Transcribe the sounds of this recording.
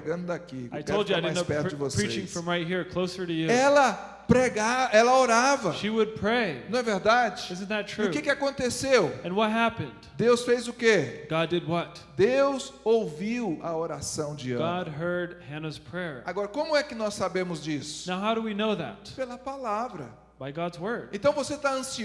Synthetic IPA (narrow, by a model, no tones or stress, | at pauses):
ɡɐ̃nd̪ʊd̪akikaɪtʰoʊlˠd͡ʒaɪdɪdansopɛɾtd͡ʒɪvospʰɹ̥it͡ʃɪ̃ŋfɹʌ̃mɹaɪt̚ɦiɹkʰl̥oʊsə˞ɾɨjʉɛlɐ | pɾeɡaɛlɐoɾavɐʃiwəd̚pʰɹ̥eɪñɛveɾd̪ad͡ʒɪɪzɨ̃n̩ðɨtʰɹ̥ʊʉkɪkɪakõnt̪esewɨ̃nwʌt̚ɦæpɨ̃nd̥d̪ewsfejzʊkeɡ̥ɑdɨd̚wʌt̚ | d̪ewz̥owviwɐoɾasɐ̃w̃d͡ʒɪ̃ɡɑd̚ɦɜ˞d̚hɛ̃nəz̥pʰɹ̥ɛɹaɡɔɾɐkõmʊɛkɪnɔsːabẽmʊzd͡ʒisʊ̥naʊɦaʊɾəwinoʊðæ̰t̚pelɐpalavɾɐ | b̥aɪɡɑdzwɜ˞d̚ẽnt̪ɐ̃w̃voset̪aɐ̃si